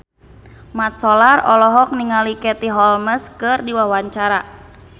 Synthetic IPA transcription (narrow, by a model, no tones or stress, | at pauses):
mat̪̚sɔlarɔlɔɦɔk̚niŋalikɛt̪iɦɔlməskɨrdiwawaɲt͡ʃaɾa